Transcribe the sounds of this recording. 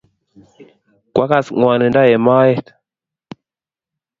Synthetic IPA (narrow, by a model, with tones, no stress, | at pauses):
kwʔa˦ka˦sŋwa˨nə˨nda˦je˨ma˦je˦t